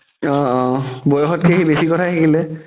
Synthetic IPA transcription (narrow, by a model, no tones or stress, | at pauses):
ɔ̃ɔ̃bɔjɔxɔtkexebesikɔtʰatʰakilɛ